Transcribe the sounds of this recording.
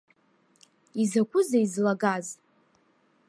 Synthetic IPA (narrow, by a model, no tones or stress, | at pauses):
izakʷʰʊzaizlaɡaz